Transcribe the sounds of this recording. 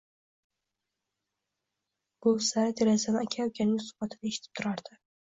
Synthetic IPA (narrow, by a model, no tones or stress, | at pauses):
b̥osaɾat̪ʰeɾazanɪakʲʰajɒwkʲʰanɪŋsʊ̥χbat̪ʰɪaeʃɪ̥t̪ʰɪ̥p̚t̪ʰʊɾaɾd̪̥ɪ